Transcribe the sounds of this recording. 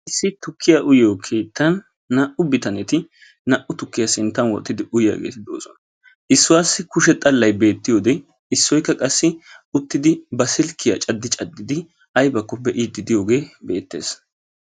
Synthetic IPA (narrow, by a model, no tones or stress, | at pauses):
ʔɪsːɪt̪ʊkːɪjaʔʊjoːkʰeːt̪ːɐnː | ɐʔʊbɪt̪ɐnɛt̪ɪ | nɐʔʊt̪ʊkːɪjasɪnt̪ːɐnwɔ̰t̪ʼːɪd̪ɪʔʊjja̰ːɡḛːt̪ɪd̪o̰ːsɔnɐ | ʔɪsːʊwaːsːɪkʊʃɛt̪ʼɐlːɐjbe̞ːt̪ːɪjoːd̪ɛ | ɪsːɔjkːɐkʼɐsːɪʊt̪ːɪd̪ɪbɐsɪlkʰːɪjɐ̰t͡ʃʼɐd̪ːɪt͡ʃʼɐd̪ːɪd̪ɪ | ɐjbɐkːɔbɛʔiːd̪ɪd̪ɪjo̞ːɡe̞ːbe̞ːt̪ːe̞̰ːs